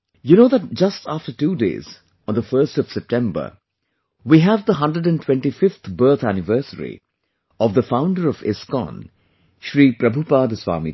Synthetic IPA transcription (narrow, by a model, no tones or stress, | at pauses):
junoːðæʈ̚d͡ʒʌstaːfʈəʈuːdḛːz | ɔ̃nd̪əfəːsʈɔv̥sɛp̚ʈɛ̃mbə̰ | wiːɦævd̪əɦʌ̃ndɾəɖæ̃nʈʰwɛ̃nʈifɪft̪ʰbəɾt̪ʰænɪvəsəɾḭ | ɔʋd̪əfãʊ̃nɖəɾɔvɪskɔ̰̃ːn | ʃɾiːpɾɐbʱupaːd̪swa̰ːmḭ